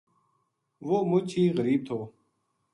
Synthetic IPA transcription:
ʋoːmʊt͡ʃʰiːɣəɾiːb̚t̪ʰoː

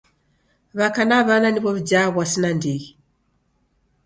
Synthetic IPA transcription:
βakanaβananiβɔβid͡ʒaβwasinandiɣi

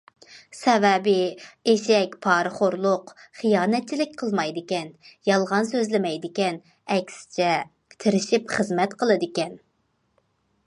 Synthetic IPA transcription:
sɛvɛbɪeʃɛkʲpʰɑːɾɨχoɾlˠʊqχijɑːnɛt̪̚t͡ʃʰilɪk̚ʲqʰəlˠmɑjd̪ɪkʲɛnjɑlˠʁɑnsøzlɪmɛjd̪ɪkʲɛn | ɛkʲsɪ̥t͡ʃʰɛ | t̪ʰɪɾɪʃipχəzmɛt̪qʰəlˠɨd̪ɪkʲɛn

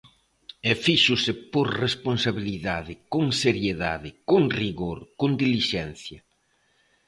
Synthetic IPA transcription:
ɛfiʃʊsɪpoɾresponsaβiliðaðɪkoŋseɾjeða̰ðɪkoŋriɣoɾkond̪iliʃɛn̟θjɐ

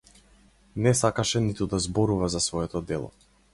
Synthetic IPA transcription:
nɛsakaʃɛnit̪ud̪azbɔɾuvazasvɔɛt̪ɔd̪ɛlˠɔ̰

